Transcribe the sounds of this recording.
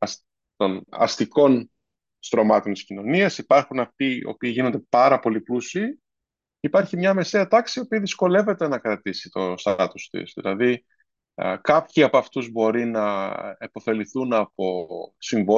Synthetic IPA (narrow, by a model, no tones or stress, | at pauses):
ɐs | t̪o̞nɐ̰st̪iko̞n | st̪ɾo̞mɐt̪o̞nt̪iscino̞niɐsipɐɾxunɐft̪io̰piːʝino̞nd̪e̞pɐɾɐpo̞liplusiː | ipɐɾçimɲɐme̞seɐt̪ɐksiopiːðisko̞le̞ve̞t̪e̞nɐkɾɐt̪isit̪o̞st̪ɐt̪ust̪ḭsðḭlɐði | kɐpçiɐpoɐft̪uzbo̞ɾinɐepo̞fe̞liθunɐpo̞siɱvo